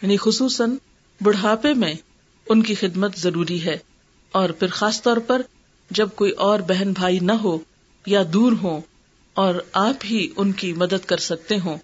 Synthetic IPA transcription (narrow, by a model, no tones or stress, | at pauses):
jaːnixʊsuːsən | bʊɽ̤ɦaːpemẽ | ʊnkixɪd̪mət̪zɐɾuːɾiɦɛː | ɔːɾpʰɪɾxaːst̪ɔːɾpɐɾ | d͡ʒɐb̚koːiʔɔːɾbɛɦɛnbʱaːinɐɦo | jad̪uːɾɦõ | ɔːɾaːpɦiʊnkimɐd̪əd̪kɐɾsɐk̚t̪eɦõː